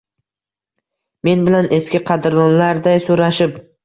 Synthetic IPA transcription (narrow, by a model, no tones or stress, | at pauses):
me̞nbɪlanʔeskʲɪqʰɑd̪ɾd̪ɒnlaɾd̪ajsoɾaʃɪp